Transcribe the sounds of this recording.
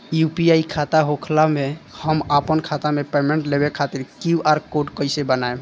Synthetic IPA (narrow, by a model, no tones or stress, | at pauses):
jupiaikʰat̪aɦokʰlamehəmapənkʰat̪amepemẽɳʈlebekʰat̪iɾkiaɾkoɖkəɪsebənae